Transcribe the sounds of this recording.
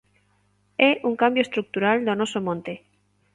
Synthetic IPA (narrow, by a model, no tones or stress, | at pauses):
eʔuŋkambjoest̪ɾuk̚t̪uɾald̪onosomõnt̪e